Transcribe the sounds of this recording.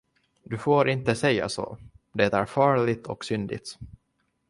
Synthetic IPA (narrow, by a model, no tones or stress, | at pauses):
d̪ɵfoːɾʔɪnt̪əsɛjːa̰so̰ːd̪ɛt̪æɾfɑːɭɪt̪ʰɔksʏnd̪ɪ̰t̪